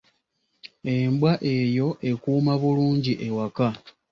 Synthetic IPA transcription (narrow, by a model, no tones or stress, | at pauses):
e̞mbwaʔe̞jo̞ʔe̞kuːmaβuluːɲɟiʔe̞waka